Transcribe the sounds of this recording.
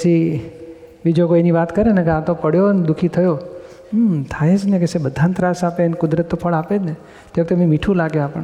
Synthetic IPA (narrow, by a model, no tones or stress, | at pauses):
sʰi | ʋid͡ʒokoeniʋat̪kəɾenekeãt̪okəɽjond̪ukʰit̪ʰəjo | mt̪ʰajed͡ʒnekesebəd̪ʱãnt̪ɾasapenkʊd̪ɾət̪ːofʰəɭaped͡ʒne | t̪eʋək̚t̪ememiʈʰũlaɡjeapəɳ